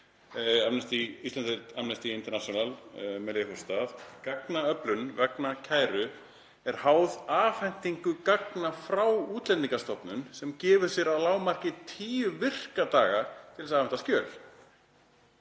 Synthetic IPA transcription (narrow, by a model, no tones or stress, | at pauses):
amnɛst̪iist̪ɛnfɛlamnɛst̪iɪnt̪ɛɾnasjɔnalmɛleθɔst̪aθkaknaœplʏnvɛknacʰaːjɾʏ | ɛɾ̥haːwðaːfɛn̥t̪iŋkʏkaknafɾawuːt̪lɛnt̪ːiŋkast̪ɔpnʏnsɛmcɛːvʏɾ̥sjɛɾawlaːwmar̥cɪt̪ʰiːʏvɪr̥kat̪aːɣat̪ʰɪlsaːvɛnt̪ascœːl